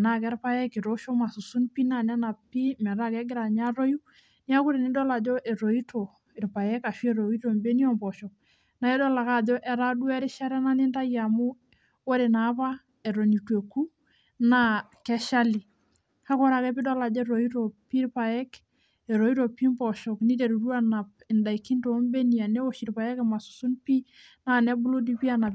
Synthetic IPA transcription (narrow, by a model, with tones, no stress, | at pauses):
na˦kɛ˦ɾpa˦jɛ˦ke˨ɾo˦ʃo˦ma˨su˨su˦npi˦na˨nɛ˦na˨pi˦mɛ˨ɾa˦kɛ˦ɡɪ˦ɾa˨ɲa˦ɾo˦ju˦ | ni˦a˦ku˦ɾe˨ni˦dɔ˦la˨d͡ʒɔ˦ʔɛ˨ɾo˨i˦tʰo˨ | ɪ˨ɾpa˨jɛ˦ka˨ʃɛ˦ɾo˨i˦to˨mbe˦ni˦ɔ˦mbɔ˨ʃɔ˨ | na˨ɛ˦dɔ˦la˨ka˨d͡ʒɔ˦ʔɛ˨ɾa˦du˦ɛ˦ɾi˦ʃa˦ɾɛ˦na˦ni˦nda˦ja˨mu˦ | wo˦ɾe˨na˨˦pa˦ | ɛ˨ɾo˨ni˨twe˨ku˦ | nakɛ˦ʃa˦li˨ | ha˦kɔ˦ɾa˨kɛ˦pi˦dɔ˦la˨d͡ʒɛ˦ɾo˨i˦to˨pi˦ɾpa˨jɛ˦k | ɛ˨ɾo˨i˦to˨pi˦mbɔ˨ʃɔ˨kni˦te˨ɾu˨ɾu˦a˦na˨pɛ˨nda˨i˨kːi˦nto˨˦mbe˦ni˨a˨ne˦o˦ʃi˨ɾpa˨jɛ˦kɛma˨su̥˨su˦npi˦ | na˦nɛ˦bu˦lo˦di˦pi˦a˦na˨